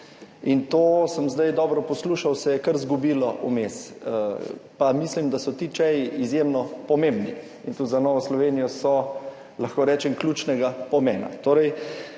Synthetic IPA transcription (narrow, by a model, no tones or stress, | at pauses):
int̪oːsəmzd̪ajd̪ɔːbɾɔpɔsluːʃawsɛjɛkɐɾzɡubiːlɔʔṵmesəpamislimd̪asɔt̪iːt͡ʃɛjiizjemnɔpɔmembni | int̪ud̪zanɔːʋɔslɔʋenijɔsɔ | laxkoːɾɛːt͡ʃɛmklʲjuːt͡ʃnɛɡapɔmɛːna̰t̪oːɾɛj